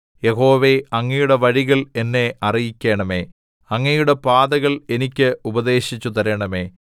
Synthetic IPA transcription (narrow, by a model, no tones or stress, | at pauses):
je̞ɦo̞ːʋe̞ɐŋːɐjuɽe̞ʋɐɻiɣɐɭe̞nːe̞ʔɐrijikʲːe̞ːɳɐme̞ː | ɐŋːɐjuɽe̞paːðɐɣɐɭe̞nikʲːɨubɐd̪e̞ːɕit͡ɕːut̪ɐɾɐɳɐme̞ː